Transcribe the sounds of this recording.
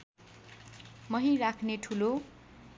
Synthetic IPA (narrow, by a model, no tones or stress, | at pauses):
mʌɦĩrakʰneʈʰulo